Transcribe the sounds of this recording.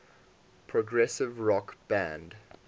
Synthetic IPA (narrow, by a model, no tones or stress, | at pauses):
pʰɹɔɡɹɛsɪvɹɔkb̥æ̃nd